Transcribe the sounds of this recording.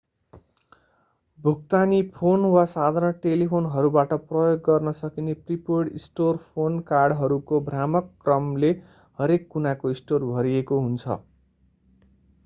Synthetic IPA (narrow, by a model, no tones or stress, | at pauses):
bʱukt̪anipʰonwasad̪ʱaɾnʌʈelipʰonɦʌɾubaʈʌprʌjoɡːʌrnʌsʌkinepripoɽisʈorpʰonkarɖɦʌɾukobramʌkːrʌmle | hʌɾekːunakoisʈorbʱʌɾiekoɦunt͡sʰʌ̰